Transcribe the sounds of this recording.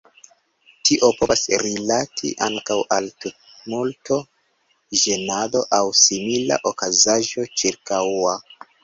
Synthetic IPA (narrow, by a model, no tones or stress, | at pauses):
tʰiʔo̞po̞vasɾilatʰḭʔaŋkawʔaltut̚multo̞ | ʒe̞nado̞ʔawsimila̰ʔo̞kazaʒo̞t͡ʃiɾkawa